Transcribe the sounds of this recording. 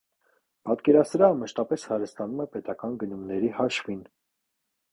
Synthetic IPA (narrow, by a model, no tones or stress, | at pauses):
pɑt̪kɛɾɑt͡sʰɾɑməʃt̪ɑpɛshɑɾəst̪ɑnumɛpɛt̪ɑkɑnɡənumnɛɾihɑʃvin